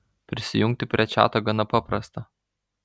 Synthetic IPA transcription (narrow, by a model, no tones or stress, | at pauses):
pʲɾʲɪsʲɪjʊŋʲk̚t̪ʲɪpʲɾʲiɛt͡ʃʲæ̰ːt̪oːɡɐnɐpɑpɾɐst̪ɐ